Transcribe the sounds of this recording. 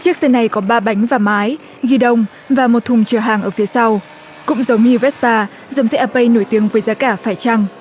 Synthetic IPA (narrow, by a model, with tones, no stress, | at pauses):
t͡ɕɨ˦˥ək̚səː˧nːa˨˩jkɔ˨˦ɓaː˧ɓa˨˦jŋ̟vaː˨˩maː˨˦j | ɣi˧ɗə˧wŋ͡m | vaː˨˩mo˨˩t̚t̪ʰʊ˨˩ŋ͡mt͡ɕəː˧˩ɦaː˨˩ŋʔəː˧˩fi˨˦əsa˧w | kʊ̰˧˥ŋ͡mzə˨˦wŋ͡mɲɨ˧vɛ˦˥ts̚paː˧ | zə˨˦wŋ͡msɛ˦˥ʔaː˧pə˧jno˧˩jt̪i˨˦əŋvəː˨˦jzaː˨˦kaː˧˩faː˧˩jt͡ɕa˧ŋ